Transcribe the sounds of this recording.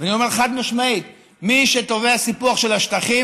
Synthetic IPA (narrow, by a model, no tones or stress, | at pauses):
veanio̞meʁχad̪maʃmait̪ | miʃet̪oveasipuaχʃe̞laʃt̪aχi